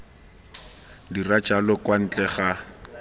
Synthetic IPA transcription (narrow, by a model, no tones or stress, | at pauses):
dirat͡ʃʼalɔkʼwan̩t͡ɬʼɛχa